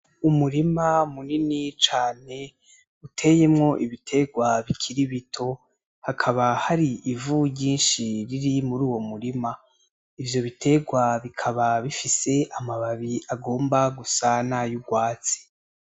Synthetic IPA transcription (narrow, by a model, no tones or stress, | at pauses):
umuɾimamuninit͡ʃaːne̞ | utʰe̞je̞mŋo̞ʔiβitʰe̞ɡwaβikʰiɾiβitʰo̞ | hakʰaβahaɾiivuɟiːnʃiɾiɾimuɾuːwo̞muɾima | ivjo̞βitʰe̞ɡwaβikʰaβaβifise̞ʔamaβaβiaɡo̞ːmbaɡusanajuɡwaːt͡si̥